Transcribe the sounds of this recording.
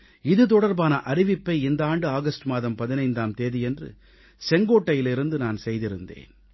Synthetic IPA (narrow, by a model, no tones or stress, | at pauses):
ɪðɯt̪ɔɽɐɾbaːnɐʔɐɾɪʋɪpːɐɪɪnd̪aːɳɖɯaːɣɐsʈɯmaːðɐmpɐðɪnɐɪnd̪aːmt̪eːðijɛndrɯ̰ | sɛŋɡoːʈːɐjɪlɪɾɯnd̪ɯnaːnsɛjðɪɾɯnd̪ḛːn